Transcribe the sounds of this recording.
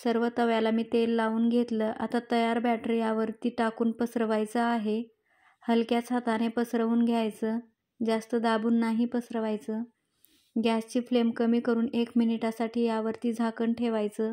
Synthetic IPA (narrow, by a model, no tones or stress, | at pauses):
səɾʋət̪əʋjalamiːt̪elːauːnɡʱet̪ləʔat̪at̪əjaɾbæʈɾijaʋəɾt̪iːʈakuːnpəsɾəʋajt͡səaɦe | həlkjat͡sʰat̪anepəsɾəʋuːnɡʱjajt͡səː | d͡zast̪əd̪abuːnːaɦipəsɾəʋajt͡səː | ɡʱjast͡ɕiːflemkəmiːkəɾuːnekminiʈasaʈʰiːjaʋəɾt̪iːd͡zʱakəɳʈʰeʋajt͡səː